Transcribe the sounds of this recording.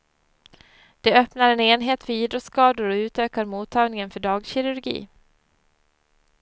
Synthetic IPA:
d̪̥ɛœpnaɾɛneːnɦeːt̪fəiːd̪ɾɔt̪skɑːd̪ʊɾɔʉ̟ːt̪øːkaɾmuːt̪ʰːɑːɡnɪŋənfœɖɑːɡɕɪɾɵɾɡḭː

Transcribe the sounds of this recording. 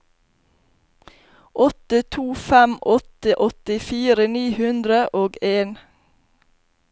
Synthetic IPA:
ʔɔt̪ət̪ʰuːfɛmʔɔt̪əʔɔt̪ɪfiːɾəniːhʉnd̪ɾəʔoːɡeːn

